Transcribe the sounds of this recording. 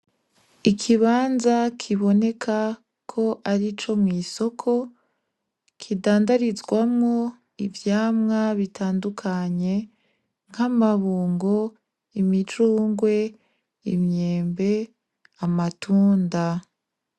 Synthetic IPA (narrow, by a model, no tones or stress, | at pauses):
ikʰiβaːnzakʰiβo̞ne̞kʰa | kʰo̞ʔaɾit͡ʃo̞mŋiːso̞kʰo̞ | kʰidaːndaɾizɡwamŋo̞ | ivjaːmŋaβitʰaːndukʰaɲe̞ | ŋ̥hamaβuːŋɡo | imit͡ʃuːŋɡwe̞ | ḭmɲe̞ːmbe̞ | amatʰuːnda